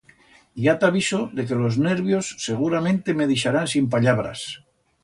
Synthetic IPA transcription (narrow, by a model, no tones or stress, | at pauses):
jat̪aβisoðe̞ke̞lo̞zne̞ɾβjo̞sːe̞ɣ̞uɾamẽnt̪emeðiʃaɾansimp̬aʎaβ̞ɾa̰s